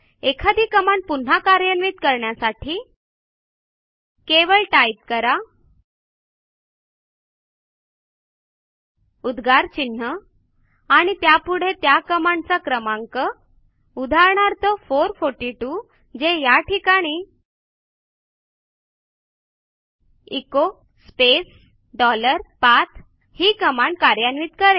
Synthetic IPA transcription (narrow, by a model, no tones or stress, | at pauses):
ekʰad̪iːkəmaɳpun̤akaɾjənʋiːt̪kəɾɳjasaʈʰiː | keʋəɭʈajp̚kəɾa | ud̪ɡaɾt͡ɕin̤ːə | aɽ̃it̪japuɽ̤et̪jakəmaɳt͡sakɾəmãŋkə | ud̪ʱaɾɳaɾt̪əfoɾfoɾʈiʈu | d͡zejaʈʰikaɽ̃i | iko | spes | ɖɔləɾpat̪ʰ | hiːkəmaɳkaɾjanʋit̪kəɾe